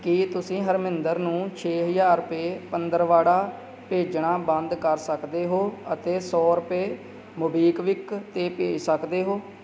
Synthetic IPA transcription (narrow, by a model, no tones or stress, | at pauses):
kɪt̪ʊsĩːɦəɾmɪnd̪əɾnũːt͡ʃʰeːɦəd͡ʒaːɾpeːpənd̪əɾʋaːɽaː | peːd͡ʒɳaːbə̃nd̪kəɾsəkd̪eːɦoːət̪eːsɔːɾʊpeː | mʊbiːkʋɪkt̪eːpḛːsəkd̪eːɦoː